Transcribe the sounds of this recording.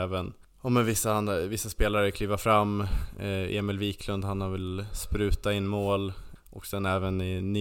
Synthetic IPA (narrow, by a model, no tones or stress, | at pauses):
vən | ɔmɛnvɪsːahanvɪsːaspeːlaɾəkʰlyːvaɾfɾamː | ḛːmɪlviːkʰlɵnd̪hanhavɪlspɾʉ̟ːt̪aɪnːmoːl | ʔɔ̰ksɛnɛːvənɪni